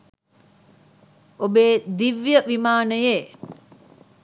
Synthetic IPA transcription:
obeːd̪iʋjəʋimaːnəje

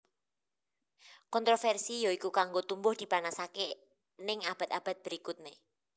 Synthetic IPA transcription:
kɔnt̪ɾofɛrsijoikukaŋɡot̪umbʊhd̪̥i̤panasake | nɪŋab̥a̤t̪ab̥a̤t̪̚b̥əɾikut̪̚ne

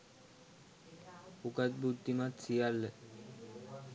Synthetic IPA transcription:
ukat̪̚but̪ːimat̪sijalːe

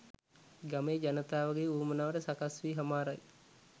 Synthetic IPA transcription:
ɡameːd͡ʒanət̪aːʋaɡeːuːmənaːʋəʈəsakasʋiːɦamaːɾaj

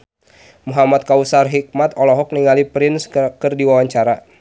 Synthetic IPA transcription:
muɦamat̪̚kausarɦik̚mat̪ɔlɔɦɔk̚niŋalipɾɪnskərdiwawaɲt͡ʃaɾa

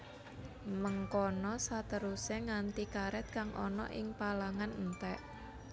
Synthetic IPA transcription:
məŋkɔnɔsat̪əɾusɛŋant̪ikaɾɛt̪̚kaŋʔɔ̰nɔ̰ʔɪŋpalaŋannt̪ɛʔ

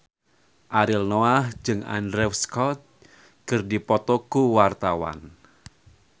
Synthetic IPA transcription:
ʔaɾɪlnɔahd͡ʒɨŋa̰ndɾɛfskɔt̪̚ | kərdipɔt̪ɔɡ̥uwart̪awa̰n

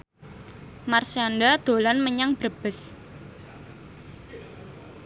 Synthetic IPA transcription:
marsandad̪̥o̤lanməɲaŋb̥ɾəb̥əs

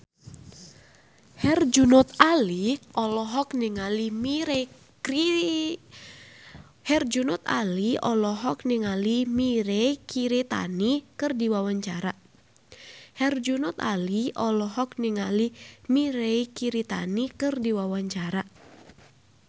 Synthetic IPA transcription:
hɛrd͡ʒunɔt̪aliʔɔlɔɦɔkniŋalimiɾei | i | hɛrd͡ʒunɔt̪a̰liɔlɔɦɔk̚niŋalimiɾeikiɾit̪a̰nikɨrdiwawaɲt͡ʃaɾa | hɛrd͡ʒunɔt̪a̰liʔɔlɔɦɔk̚niŋalimiɾeikiɾit̪a̰nikɨrdiwawaɲt͡ʃaɾa

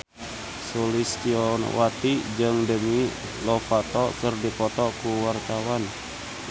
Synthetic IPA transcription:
sulist̪iɔnwat̪id͡ʒəŋdəmi | lɔfat̪ɔkərdipɔt̪ɔkuwart̪awan

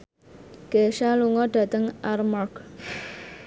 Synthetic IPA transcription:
ɡ̥eʃaluŋɔɖä̤t̪əŋarmark

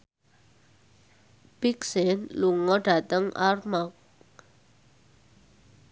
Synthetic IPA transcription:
b̥iksɛnluŋɔɖ̥a̤t̪əŋʔarmɔk̚

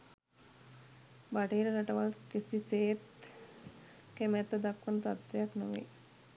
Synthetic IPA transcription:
baʈiːɾəɾaʈəʋalkisiseːt̪ | kemɛt̪ːəd̪akʋənət̪at̪ʋejaknoʋḛ

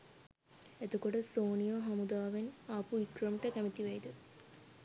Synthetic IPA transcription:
et̪okoʈəsoːnijoɦamud̪aːʋenaːpuikrəmʈəkæmit̪iʋejd̪ə

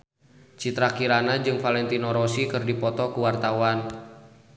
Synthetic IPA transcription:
t͡ʃit̪ɾakiɾanad͡ʒɨŋfalɛnt̪inɔɾɔsikɨrdipɔt̪ɔkuwart̪awan

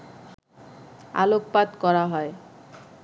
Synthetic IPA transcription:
a̰loppat̪kɔɾaɦɔe

